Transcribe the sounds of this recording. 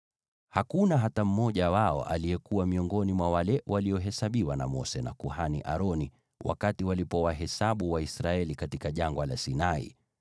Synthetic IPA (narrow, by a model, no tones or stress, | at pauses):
hakunaɦatam̩mɔʄawaɔ̰ʔa̰lijɛkuwamiɔŋɡɔnimwawalɛwʔaliɔɦɛsaɓiwana̰mɔsɛna̰kuhanḭʔaɾɔni | wa̰katiwalipɔwaɦɛsaɓuwaisɾaɛlikatikaʄaŋɡwalasinaḭ